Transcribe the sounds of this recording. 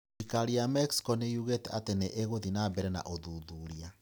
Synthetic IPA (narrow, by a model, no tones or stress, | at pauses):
ikaɾiamɛksi̥kɔnejuɣetɛateneʔeɣoðinabɛɾɛna̰ʔoðuːðuːɾia